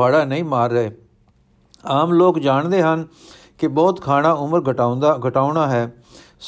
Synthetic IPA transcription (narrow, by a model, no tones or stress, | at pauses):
aːɽaːnəĩːmaːɾːəeː | aːmloːkd͡ʒaːɳd̪eːɦən | kɪbɔːt̪kʰaːnãːʊməɾad̪ɡʱəʈaːʊɳaːɦɛː | s